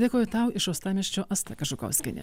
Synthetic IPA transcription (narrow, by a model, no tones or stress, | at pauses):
dʲeːkoːjʊt̪ɑʊɪʃɐʊst̪ɑːmʲɛʃʲt͡ʃʲoːɐst̪ɐkɐʃʊkɐ̰ʊsʲkʲɪnʲɛ̰